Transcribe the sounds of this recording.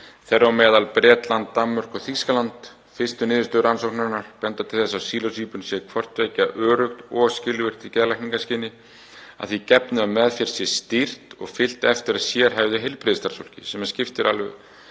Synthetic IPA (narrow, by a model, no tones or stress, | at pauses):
θɛrːawmɛːðalpɾɛːt̪lant̪ːamːœɾ̥kɔθiskalant̪ | fɪst̪ʏnɪːðʏst̪œʏɾansowknaɾnːaɾ̥pɛnt̪at̪ʰɪlθɛsːasiːlɔsiːpʏnsjɛkʰvɔr̥t̪vɛːjcaʔœːɾʏxt̪ɔscɪlvɪr̥t̪icɛːðlajkniŋkascɪːnːɪ | a̰ðθicɛpnʏamɛðfjɛɾ̥sjɛst̪ir̥t̪ɔɣfɪl̥t̪ɛft̪ɪɾaðsjɛɾ̥ɦajvðʏɦɪlpɾɪðst̪aɾsol̥cɪsɛmascɪft̪ɪɾalvʏ̰